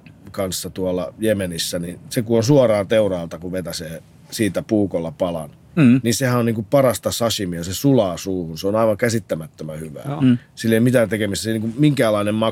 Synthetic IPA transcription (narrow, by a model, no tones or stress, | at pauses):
kɑnsːɑt̪uɑlːˑɑjemenisːænisekuonsuɑrɑːnt̪eurɑːlt̪ɑkuʋet̪æseː | siːt̪æpuːkolːɑpɑlɑ̰n | ninsehænoniːŋkupɑrɑst̪ɑsɑsimiɑsesulɑːsuːhunseonɑiʋɑŋkæsit̪ːæmæt̪ːømæhyʋæ̰ːsilːeimit̪æːnt̪ekemist̪ːæseiniːkumiŋkæːlːˑɑˑinemmɑ